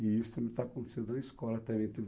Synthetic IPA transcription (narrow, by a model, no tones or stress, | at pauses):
iist̪ɐmɪt̪akõnt̪e̥sed̪oskɔlˠɐt̪ɛvẽnt̪ev